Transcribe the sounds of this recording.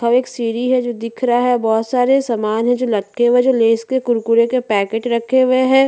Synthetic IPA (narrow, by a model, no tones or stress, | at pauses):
ɐʋeːksiːɾiɦɛd͡ʒoːd̪ɪkʰɾaɦɛbɔːt̪saːɾesɐmaːnɦɛ̃d͡ʒoːlɐkʰːeʋed͡ʒoːleːskekʊɾkʊɾekepɛːkeːʈɾɐkʰːeʋeɦɛː